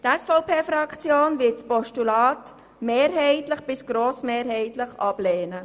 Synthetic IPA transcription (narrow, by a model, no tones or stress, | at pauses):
tɛsfɔʊpʰeːfɾɑkt͡sjoːnvɪt͡spɔʃtulaːt | meːɾɦɛɪtləχb̥ɪsɡ̥ɾoːsmeːɾɦɛɪtləχʔɑb̥leːnə